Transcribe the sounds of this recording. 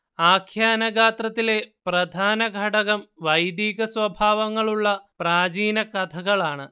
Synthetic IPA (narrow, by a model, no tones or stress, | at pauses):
aːkʰjaːnɐɡʱaːt̪rɐt̪ːile̞prɐd̪ʱaːnɐɡʱɐɽɐɣɐmʋɐjd̪jiːɣɐsʋɐbʱaːʋɐŋːɐɭuɭːɐpraːd͡ʑiːnɐkɐt̪ʰɐɣɐɭaːɳɨ